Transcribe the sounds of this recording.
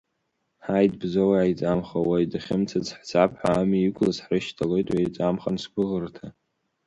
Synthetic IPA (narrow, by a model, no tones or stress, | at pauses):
ħajdbzowaajt͡sʼamχawajdaχʲɪmt͡sʰat͡sħt͡sʰʼapʰħaːmiikʷʰʼlasħrɨʃtʰalo̞jtʼwajt͡sʼamχansɡʷʊʁərtʰa